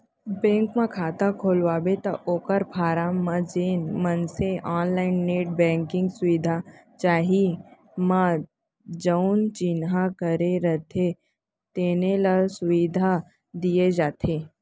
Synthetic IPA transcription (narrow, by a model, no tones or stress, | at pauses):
bɛ̃ːŋkmãkʰaːt̪akʰoːlʋaːbet̪ɐʔoːkəɾpʰaːɾamãd͡ʒeːnmənseʔaːnlaːɪnːeːʈ̚bɛ̃ːŋkɪ̃ŋɡsʊʋid̪ʱa | t͡ʃaːɦi | mã | d͡ʒəʊnt͡ʃɪnɦakəɾeɾət̪ʰe | t̪eːnelasʊʋid̪ʱa | d̪ijed͡ʒaːt̪ʰe